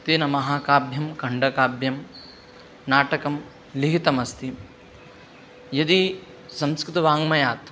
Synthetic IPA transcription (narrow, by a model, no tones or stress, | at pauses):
t̪iːnɐmɐɦaːkaːbʱjɐmkɐɳɖɐkaːbʱjɐm | naːʈɐkɐm | liɦit̪ɐmɐst̪i | jɐd̪i | sɐmskɾɪt̪ɐʋaːŋmɐjaːt̪ɐ